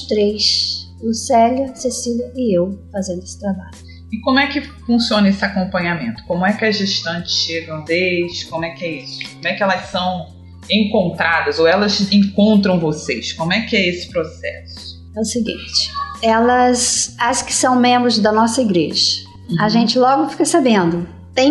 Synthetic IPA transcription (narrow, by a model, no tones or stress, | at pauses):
st̪ɾejs | usɛljɐsesilʲɐɪewfazẽnd̪esɪ̥t̪ɾabaʎʊ | ɪkõmʊɛkɪfũsiõnɐesɪakõmpɐ̃ɲamẽnt̪ʊ̥kõmʊɛkɪɐzʒeʃt̪ɐ̃nt͡ʃɪ̥sʃeɡɐ̃w̃d̪eʃkõmʊɛkɪɛisʊ̥kõmʊɛkɪɛlɐssɐ̃w̃ | ẽkõnt̪ɾad̪ɐzowɛlɐzẽŋkõnt̪ɾɐ̃w̃vosejskõmʊɛkɪɛesɪ̥pɾosɛ̰sʊʊ̥ | ɛʊsɪɡḭ̃t͡ʃɪ̥ɛlɐsɐskɪ̥sɐ̃w̃mẽmbɾʊzd̪ɐnɔsɐiɡɾḛʒɐ | ɐʒẽnt͡ʃɪlɔɡʊfi̥kɐsabẽnd̪ʊ | t̪ẽj̃